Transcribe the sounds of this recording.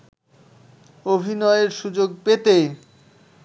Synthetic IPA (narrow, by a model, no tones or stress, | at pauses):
obʱinɔeeɾʃud͡ʑoɡ̚pet̪e